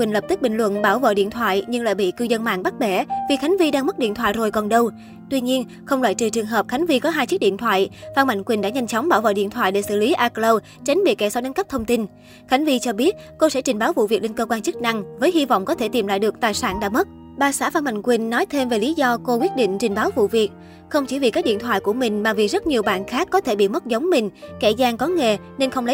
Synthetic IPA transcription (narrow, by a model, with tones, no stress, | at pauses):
kwi˨˩nlə˨˩p̚t̪i˦˥k̚ɓï˧˩ŋ̟lwə̰˧˨nɓaː˧˩wvə̰ː˧˨ɗḭ˧˨ənt̪ʰwa̰ː˧˨jɲɨ˧ŋla̰ː˧˨jɓḭ˧˨kɨ˧zə˧nma̰ː˧˨ŋɓa˦˥k̚ɓɛ˧˩vi˨˩xa˨˦ŋ̟vi˧ɗaː˧ŋmə˦˥t̚ɗḭ˧˨ət̪waː˧˨jzo˨˩jkɔ˨˩nɗə˧w | t̪wi˧ɲi˧ən | xə˧wŋ͡mlwaː˧˨jt͡ɕɨ˨˩t͡ɕɨ˨˩ŋɦəː˨˩p̚xa˨˦jŋ̟vi˧kɔ˨˦ɦaː˧jt͡ɕɨ˦˥k̚ḭ˧˨ənt̪ʰwa̰ː˧˨jfaː˧nma̰˧˨ŋ̟kwi˨˩n̟ɗa̰ː˧˥ɲa˧jŋt͡ɕɔ˨˦wŋ͡mɓaː˧˩wvə̰ː˧˨ɗḭ˧˨ənt̪ʰwa̰ː˧˨jɗe˧˩sɨ̰˧˨li˨˦ʔaː˧klə˧w | t͡ɕa˨˦jŋ̟ɓḭ˧˨kɛ˧˩sɔ˨˧˥ne˨˦nkə˦˥p̚t̪ʰə˧wŋ͡mt̪i˧n | xa˨˦jŋ̟vi˧t͡ɕɔ˧ɓi˦˥ət̚ko˧sɛ̰˧˥t͡ɕi˨˩ŋ̟ɓaː˨˦wvṵ˧˨vi˨˩ək̚le˧nkəː˧kwaː˧nt͡ɕɨ˦˥k̚na˧ŋvəː˨˦jɦi˧vɔ̰˧˨wŋ͡mkɔ˨˦t̪ʰe˧˩t̪i˨˩mla̰˧˨jɗɨ˨˩ək̚t̪aː˨˩jsaː˧˩nɗa̰ː˧˥mə˦˥t̚ | ɓaː˨˩sa̰ː˧˥˩vaː˧nma̰˧˨ŋ̟kwi˨˩n̟ːɔ˨˦jt̪ʰe˧mve˨˩li˨˦zɔ˧ko˧kwi˦˥t̚ɗḭ̈˧˨ŋ̟t͡ɕï˨˩ŋ̟ɓaː˨˦wvṵ˧˨vi˨˩ək̚ | xə˧wŋ͡mt͡ɕḭ˧˩vi˨˩kaː˦˥k̚ɗḭ˧˨ənt̪ʰwa̰ː˧˨jku˧˩əmï˨˩ŋ̟maː˨˩vi˨˩k̚zə˦˥t̚ɲi˨˩əwɓa̰ː˧˨nxaː˦˥kːɔ˨˦t̪ʰe˧˩ɓḭ˧˨mə˦˥t̚zə˨˦wŋ͡mmï˨˩ŋ̟kɛ˧˩zaː˧ŋkɔ˨˦ŋe˨˩ | ne˧nxə˧wŋ͡mlə˨˦